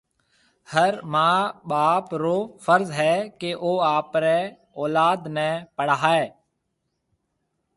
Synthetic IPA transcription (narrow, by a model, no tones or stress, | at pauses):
həɾmãːɓaːpɾoːfəɾzɦɛːkeʔoːaːpɾɛː | ɔːlaːd̪nɛ̃ːpəɽaɦːɛː